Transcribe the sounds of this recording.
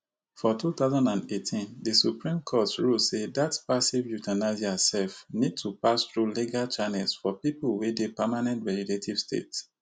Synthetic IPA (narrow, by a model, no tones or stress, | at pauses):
fɔtʰut̪aʊzãndãnetʰĩndisupɹĩmkʰɔtɹosedatpasivjutanazasɛfnid̚tʰupasθɹuliɡalt͡ʃanɛlsfɔpipulwedepamanɛ̃ntvɛliletʰiv̥stḛt